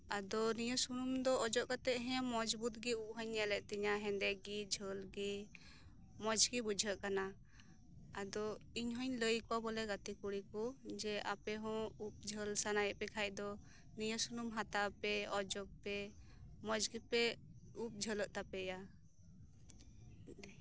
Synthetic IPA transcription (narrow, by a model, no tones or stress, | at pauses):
ad̪ɔnijəsunumd̪ɔːd͡ʒɔʔkat̪ɛʔɦɛ̃mɔd͡ʒbut̪̚ɡiup̚ɦɔɲːɛlɛʔt̪iɲaɦɛ̃nd̪ɛɡid͡ʒʱəlɡi | mɔd͡ʒɡibud͡ʒʱəʔkana | ad̪ɔiɲɦɔɲləjkɔwabɔlɛɡat̪ikuɽikɔd͡ʒɛʔapɛɦɔ̃up̚d͡ʒʱəlsanajɛʔpɛkʰaj̚ˀd̪ɔ | nijəsunumɦat̪apɛɔd͡ʒɔk̚pɛ | mɔd͡ʒɡipɛup̚d͡ʒʱələʔt̪apɛja